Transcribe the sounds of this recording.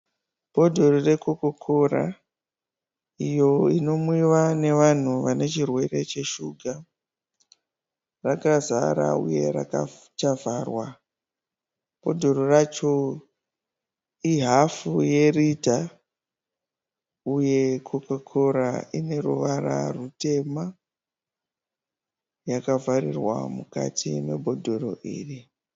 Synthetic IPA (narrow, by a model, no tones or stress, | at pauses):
po̞dʱo̞rore̞kokokʰora̰ | ijo̞ino̞miʋane̞ʋan̤uʋane̞t͡ʃirwe̞re̞t͡ʃe̞ʃuɡʱa | rakaza̰ɾa̰ṵje̞̰ra̰ka | t͡ʃavʱaːrwa | po̞dʱo̞rorat͡ʃo̞ | iɦafuje̞rita | uje̞kʰokokʰoɾaine̞ruʋara̰rute̞ma | jakavarirwa̰muka̰tʰime̞bʱo̞dʱo̞ro̞ʔiːri